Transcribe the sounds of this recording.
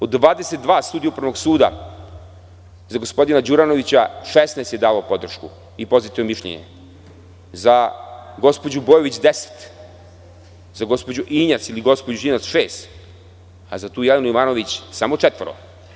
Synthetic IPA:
od̪ːʋaːd̪eset̪̚d̪ʋaːst̪uːd̪ieupɾaʋoɡsuːd̪a̰ | zaɡospo̞d̪inad͡ʑuɾano̞ʋit͡ɕaʃesnest̪jeaːʋaopo̞d̪r̩ʃku | ipo̞zit̪iomiʃʎḛɲḛ | zaɡo̞spod͡ʑubojoʋit͡ɕd̪ese̥t̪ | zaɡo̞spo̞d͡ʑuʔiɲat̪siliɡo̞spod͡ʑuinat̪sʃeːst̪ | azat̪uːjelenuiʋaːno̞ʋit͡ɕsamo̞t͡ʂet̪ʋɾo̰

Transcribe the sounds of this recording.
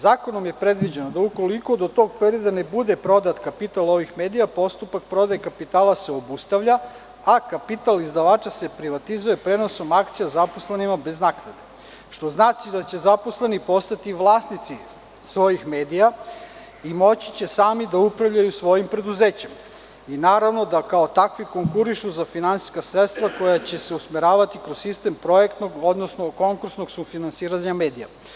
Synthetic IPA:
zaːko̞nomje̞pɾe̞d̪ʋid͡ʑenod̪auko̞liko̞d̪o̞t̪o̞ɡ̚peɾio̞d̪ane̞bud̪epɾo̞d̪at̪kapit̪alo̞ʋixme̞ːd̪ijapo̞st̪upak̚pɾo̞d̪ajekapit̪aːlase̞o̞bust̪aʋʎa | akapit̪alizd̪aʋaːt͡ʃase̞pɾiʋat̪izuje̞pɾe̞no̞so̞makt̪sijazaposlenimabe̞znaːknad̪e | ʃt̪o̞znaːt͡ʃid̪at͡ɕe̞zapo̞slenipo̞st̪at̪iʋlˠaːsnit̪si | sʋo̞jixme̞ːd̪ija | imo̞t͡ɕi̥t͡ɕe̞saːmid̪aupɾavʎajusʋo̞jimpɾe̞d̪uzeːt͡ɕem | inaːɾaʋno̞d̪akaot̪akʋiko̞ŋkuɾiʃuzafinansi̥skasɾet̪st̪vʋako̞jat͡ɕe̞se̞usmiɾaːʋat̪ikɾosːist̪empɾo̞jekt̪no̞ɡo̞d̪nosno̞ko̞ŋkuɾsnoɡsufinansiːɾaɲameːd̪ija̰

